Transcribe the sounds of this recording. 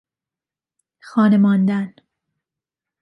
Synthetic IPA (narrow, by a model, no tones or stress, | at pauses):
xɒːnemɒːnd̪æn